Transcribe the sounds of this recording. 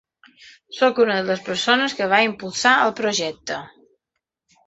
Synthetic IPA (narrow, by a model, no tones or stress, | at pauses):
sokunəðələspəɾsonəskəβ̞aimpulˠsaəlˠpɾoʒɛk̚t̪ə